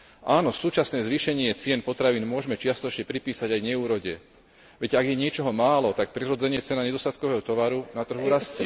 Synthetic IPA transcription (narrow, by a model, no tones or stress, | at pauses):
ʔaːnɔsuːt͡ʃasnɛːzʋiːʃɛɲɪɛt͡sɪɛnpɔt̪ɾaʋiːnmʊɔʒmɛt͡ʃɪast̪ɔɛt͡ʃɲɛpɾipiːsaɟajɲɛuːɾɔɟɛ | ʋɛɟaɡjɛɲɪɛt͡ʃɔɦɔmaːlɔt̪ak̚pɾiɾɔd͡zɛɲɪɛt͡sɛnaɲɛd̪ɔst̪at̪kɔʋɛːɦɔt̪ɔʋaɾunat̪r̩ɦuɾascɛ